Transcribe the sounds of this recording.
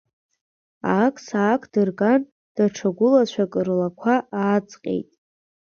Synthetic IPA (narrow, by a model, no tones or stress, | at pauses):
akʰʼsaːkʰd̥ɨrɡan | d̥aʈ͡ʂʰaɡʷʊlat͡ɕʷʰakʼɨrlakʷʰaʔaːt͡sʼqʲʼḛjtʼ